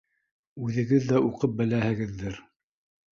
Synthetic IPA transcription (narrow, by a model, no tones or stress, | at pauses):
ʉðɘ̆ɡɘðːæuqɤp̚bɘ̆læhɘ̆ɡɘ̆ðːɘɾ